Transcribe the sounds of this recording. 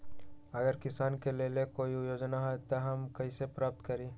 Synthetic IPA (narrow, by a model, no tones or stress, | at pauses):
ɐɡəɾkɪsaːnkeleːlekoːiʊjoːd͡ʒnaɦɛt̪oɦɐmkɐisepɾaːp̚t̪kəɾĩː